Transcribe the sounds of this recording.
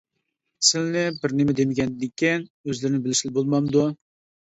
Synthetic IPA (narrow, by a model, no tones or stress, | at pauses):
sɪlnɪbɪɾnɪmɪd̪emɪɡʲɛnd̪ɪkʲʰːinøzlɪɾɪnɪbɪlɪʃɪlbolˠmɑmd̪u